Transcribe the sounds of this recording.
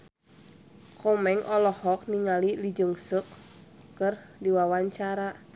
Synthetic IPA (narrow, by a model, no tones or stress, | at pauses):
kʰɔmɛŋʔɔlɔhɔk̚niŋalilid͡ʒəŋsəkː | ərdiwawaɲt͡ʃaɾa